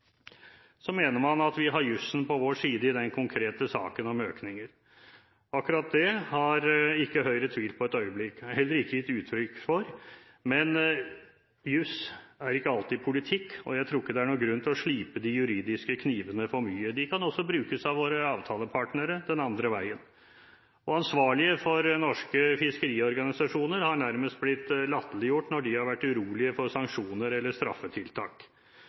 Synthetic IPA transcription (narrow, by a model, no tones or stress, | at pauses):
sɔmeːnəɾmɑnɑt̪ʋɪɦɑɾjʉsːn̩pʰɔʋoːʂiːd̪əɪd̪ɛnkʰʊŋkʰɾeːt̪əsɑ̰ːkənɑmøːknɪŋəɾ | ɑkːʉɾɑt̪̚d̪ɛhɑɾɪkːəɦœʏɾət̪ʰʋiːlpʰɔɛt̪œʏəblɪkːhɛlːəɾɪkːəɪt̪ʉːt̪ʰɾʏkːfɔɾ | mɛn | jʉsæɾɪkːəɑlt̪ɪpʰʊlɪt̪ʰɪkːɔ̰jæɪt̪ʰɾuːɪkːəd̪ɛæɳuːɡɾʉnt̪ʰɪlɔʂɭiːpəd̪ɪjʉɾiːd̪ɪskəkʰniːʋənəfɔɾmyːəd̪ɪkʰɑnɔsːɔbɾʉːkəsɑʋʋoːɾəɑːʋt̪ʰɑːləpʰɑʈnəɾəd̪ɛnɑnd̪ɾəʋæɪən | ɔɑnsʋɑːɭɪəfɔɾnɔʂkəfɪskəɾiːɔɾɡɑnɪsɑʂuːnəɾhɑɳæɾməst̪̚blɪt̪ːlɑt̪ːəlɪjʊʈːnɔɖɪhɑɾʋæʈːʉɾuːlɪəfɔɾsɑŋkʂuːnəɾɛlːəʂt̪ɾɑ̰fːət̪ʰɪlt̪ʰɑ̰ːk